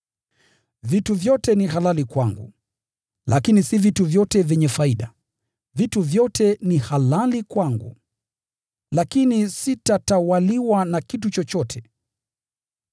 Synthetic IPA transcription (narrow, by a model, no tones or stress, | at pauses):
vituvjɔtɛniɦalalikwaŋɡṵ | lʔa̰kinisivituvjɔtɛvjɛɲɛfaiɗa | vituvjɔtʰɛnihalalikwaŋɡṵ | lakinisitatawaliwanakitut͡ʃɔt͡ʃɔtʰɛ